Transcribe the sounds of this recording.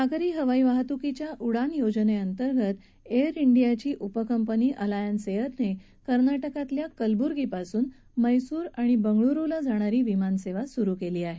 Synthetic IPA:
tʰaɡɾiːɦəʋaiʋaɦt̪ukit͡ɕjaʔuɽanjod͡zneənt̪əɾɡʱət̪ | eəɾiɳɖijat͡ɕiːʔupəkəmpəniːʔəlajənseʋət̪ne | kəɾnaʈəkat̪ljakəlbuɾɡipasuːn | məjsuːɾaɽ̃ibəŋɡɭuɾulad͡zʱaɽ̃aɾiːʋimanseʋasuɾukeliːaɦe

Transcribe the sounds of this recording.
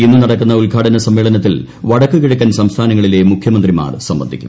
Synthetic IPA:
inːɨnɐɽɐkːunːɐulkaːʈɐnɐsɐmːeːɭɐnɐt̪ːil | ʋɐɽɐkːukiɻukʲːaːnsɐmst̪ʰaːnɐŋːɐɭile̞mukʰjɐmɐnd̪rima̰ːrsɐmbɐnd̪ʱikʲːu̥̰m

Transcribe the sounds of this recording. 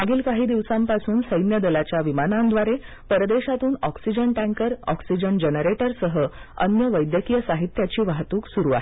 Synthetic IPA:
aɡiːlkaɦiːd̪iʋsampasuːnsəjnjəd̪əlat͡ɕjaʋimanand̪ʋaɾe | pəɾəd̪eɕat̪uːnɔksid͡ʑəɳʈæ̃ŋkəɾɔ̰ksid͡ʑəɳd͡ʑənəɾeʈəɾsəɦə | ə̰njəʋəjd̪jəkijəsaɦit̪jat͡ɕiːʋaɦt̪uːksuɾuːa̰ɦe

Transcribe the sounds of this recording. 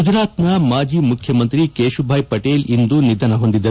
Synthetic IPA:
ud͡ʒɾaːt̪nɐmaːd͡ʒiːmukʰjɐmɐnt̪ɾikeːʃubʱaːjpɐʈeːlind̪unid̪ʱɐnɐɦo̞nd̪id̪ːɐɾ

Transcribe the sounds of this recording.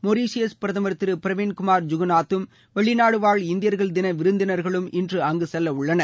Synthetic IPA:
mɔɾiːsjɐspɪɾɐðɐmɐɾt̪ːɪɾɯpɪɾɐʋɪnkʊmaːɾd͡ʒʊɣɐnaːt̪ːɯm | ʋɛɭɪnaːɽɯʋaːɭɪnd̪ɪjɐɾɣɐɭd̪ɪnɐʋɪɾɯnd̪ɪnɐɾɣɐɭɯmɪndrɯɐŋɡɯsɛlːɐʊɭːɐnɐ

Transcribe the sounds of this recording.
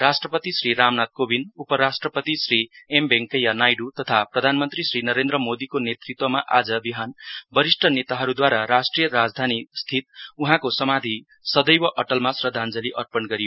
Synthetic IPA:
rasʈrʌpʌt̪isriɾamnat̪̚kobinupʌɾasʈrʌpʌt̪isriembeŋkʌjanajɖut̪ʌt̪ʰaprʌd̪ʱanmʌnt̪risrinʌɾend̪ɾʌmod̪ikonet̪rit̪wʌmaʔad͡zʌbiɦanbʌɾisʈʰʌnet̪aɦʌɾud̪waɾaɾasʈrijʌɾad͡zd̪ʱanist̪ʰit̪̚uɦãkosʌmad̪ʱi | sʌd̪ʌjwʌʔʌʈʌlmasrʌd̪ʱand͡zʌliʔʌrpʌnɡʌɾijo

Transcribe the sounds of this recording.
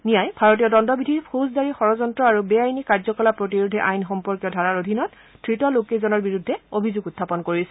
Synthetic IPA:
nijajbʱaɹot̬ijɔdɔndɔbidʱipʰozdaɹixɔɹɔzɔntɹɔaɹubɛajnikaɹzɔkɔlapɹot̬iɹudʱɛʔajnxɔmpɔɹkjɔdʱaɹaɹodʱinɔt | tʰɹitɔlokezɔnɔɹbiɹudʱːɛobʱizuɡutʰːapɔnkoɹisɛ

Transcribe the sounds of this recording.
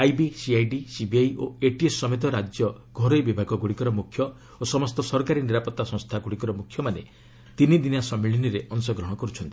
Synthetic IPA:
ajbisiajɖisibiajo̰eʈiesːɔmet̪̬ɔɾad͡ʒjɔ | ɡʱɔɾɔjbibʱaɡɔɡuɽikɔɾɔmukʰjɔ | osɔmɔst̪ɔsɔɾkaɾiniɾapɔt̪ːasɔ̃ŋ̃st̪ʰaɡuɽikɔɾɔmukʰːjɔmanḛ | t̪inid̪inasɔmiɭiniɾeʔɔnsɔɡɾɔɦɽ̃ɔkɔɾut͡ʃʰɔnt̪i̥

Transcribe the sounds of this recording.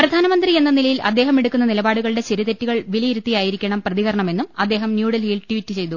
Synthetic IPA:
prɐd̪ʱaːnɐmɐnd̪rie̞nːɐnilɐjilɐd̪ːeːɦɐmeɽukːunːɐnilɐbaːɽuɣɐɭɨɽe̞t͡ɕɐɾit̪etːiɣɐɭʋilɐjiɾut̪ːijaːjiɾikʲːɐɳɐmprɐðiɣɐɾɐɳɐme̞nːumɐd̪ːe̞ːɦɐmnjuːɽɐlhiːlʈuʋitːɨt͡ɕe̞jt̪u

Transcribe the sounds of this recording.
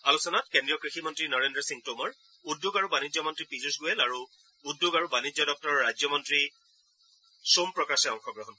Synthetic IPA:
alusɔnat̚kendɹijɔkɹiximɔntɹinɔɹendɹɔsiŋtomɔɹ | udːuɡaɹubanizɔmɔntɹipizusɡuɛlaɹu | udːuɡaɹubanizɔdɔk̚tɔɹɔɹajzɔmɔntɹi | sumpɹɔkasɛɔŋxɔɡɹɔɦɔn

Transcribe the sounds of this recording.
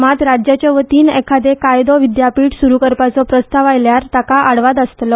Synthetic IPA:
mat̪ɾad͡ʑjat͡ɕjɔʋət̪iːnɛkʰad̪ekajd̪ɔʋid̪japiːʈsuɾukəɾpat͡sɔpɾəst̪aʋajljaɾt̪akaʔaɽʋat̪əst̪lɔ

